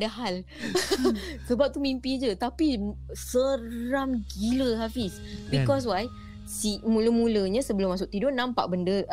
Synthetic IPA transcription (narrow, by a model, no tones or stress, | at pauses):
daɦal | səbap̚t̪umimpid͡ʒət̪api | səɾamɡiləɦafis | bikɔs̬waj | simũləmũləɲãsəbəlʊmːas̬ʊk̚t̪idonãmpa̰ʔbəndə